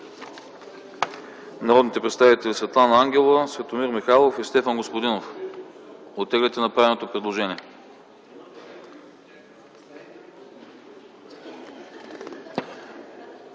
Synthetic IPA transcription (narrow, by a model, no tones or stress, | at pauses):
nɐɾɔd̪nit̪ɛpɾɛt̪st̪avit̪ɛlʲisvɛt̪lˠanɐaŋɡʲɛlˠəsvɛt̪omiɾmixalˠofist̪ɛfənɡospod̪inof | ot̪ːɛɡlʲɛt̪ɛnɐpɾavɛnot̪opɾɛd̪lˠoʒɛniɛ